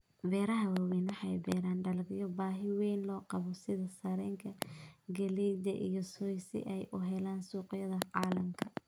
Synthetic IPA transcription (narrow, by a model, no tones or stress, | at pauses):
bɛːɾɐɦɐwɐwɛnɐħɑjbɛːɾaːnɖɐlɡɪjɔbaːɦɪwɛjnlɔːqɑβɔsɪðɐsɐɾɛːŋkʰɐɡɐlɛjd̪ɐʔḭjɔsɔjsɪ̰ʔɛjʔʊɦɛlaːnsuːqjɐðɐʕɑːlɐmkʰɐ